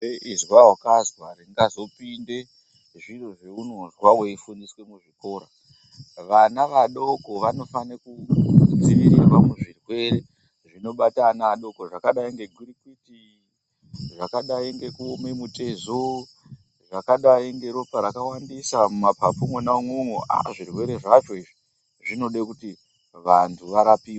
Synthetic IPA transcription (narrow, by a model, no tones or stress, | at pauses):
eʔizwaokazwariŋɡazo̞pinde̞ | ʐiroʐe̞unonzwaweifundiswe̞muʐiko̞ːɾa | ʋanaʋaɗo̞ko̞ʋano̞fanekud͡ziɾiɾirwamuʐirwe̞re | ʐino̞ɓatanaɗo̞koʐakaɗaiŋɡe̞ɡʱuɾikiti | ʐakaɗaiŋɡe̞kuomemute̞zo | ʐakaɗaiŋɡe̞ɾopaɾakawandisamumapapumwenaumwemwoʔa̰ʐirwe̞ɾe̞ʐaʐo̞iʐi | ʐino̞ɗekuti | ʋantʰuʋaɾapiːwa